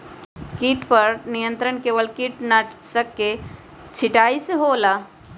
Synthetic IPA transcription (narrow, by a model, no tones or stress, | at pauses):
kiʈpɐɾnijə̃nt̪ɾənkeːʋəlkiʈnaʈsəkːe | t͡ʃʰɪʈaːiseɦoːlaː